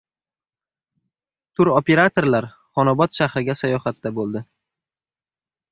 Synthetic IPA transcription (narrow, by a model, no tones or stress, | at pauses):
t̪ʰʊɾope̞ɾat̪ʰo̞ɾlaɾ | χɒnɒbɒt̪ʃahɾɪɡʲasajɒhat̪ːabolˠd̪ɪ